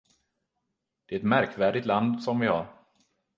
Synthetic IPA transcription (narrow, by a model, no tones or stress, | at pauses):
d̪̥ɛæɛt̪mæɾkvæːɖɪt̪land̪sɔmvɪhaɾ